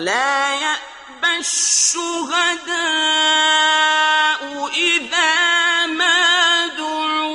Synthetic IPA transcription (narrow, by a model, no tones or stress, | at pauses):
laːjaʔ | baʃʊɣad̪a | ʔʊʔɪðaːmad̪ʊ